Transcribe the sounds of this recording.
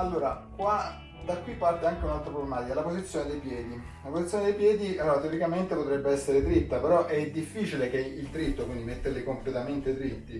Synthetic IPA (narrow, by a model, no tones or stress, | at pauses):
alːoːɾakwa | d̪akːwipːart̪eaŋk̟eunalt̪ɾapɾoblemaːt̪ikalapozit̪sːjoːned̪ejpjɛːd̪i | lapozit̪sjoned̪ejpjɛːd̪iat̪eoɾikament̪epot̪ɾɛbːeɛsːeɾet̪ɾit̪ːapeɾɔʔɛd̪ifːiːt͡ʃilekeilt̪ɾit̪ːokwind̪imet̪ːeɾlikomplet̪ament̪et̪ɾit̪ːi